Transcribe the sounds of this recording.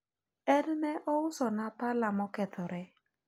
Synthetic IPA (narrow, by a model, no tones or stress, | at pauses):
ɛɾɪnɛʔɔʊsɔnatalamɔkɛt̪ɔɾɛ